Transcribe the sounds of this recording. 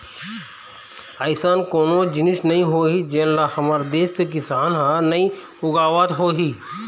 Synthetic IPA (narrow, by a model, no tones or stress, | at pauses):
aɪsaːnkoːnod͡ʒɪnɪʃnɐɦĩɦoːɦid͡ʒenlahɐmaɾd̪eːskekɪsaːnɦanɐĩ | ʊɡaːʋat̪ɦoːɦiː